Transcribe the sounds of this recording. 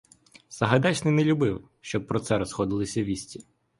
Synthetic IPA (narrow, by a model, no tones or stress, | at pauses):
sɐɦɐd̪ɑt͡ʃnɪjnɛlʲʊbɪw | ʃt͡ʃɔb̚pːɾɔt̪sɛɾɔsxɔd̪ɪlˠɪsʲɐʋʲisʲtʲi